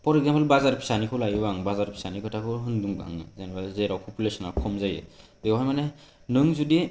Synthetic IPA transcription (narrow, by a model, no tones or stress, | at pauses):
pʰɔɾɛɡ̚zampalbazaɾpʰi̥sanikʰɔlajɯbaŋbazaɾpʰi̥sanikʰɔtʰakʰɔɦɯnduŋba̰ŋzɛnbalzeɾawpʰɔpʰjulesɔnawkʰɔmzajɯ̰dewɦajmanɛ | nɯŋzudi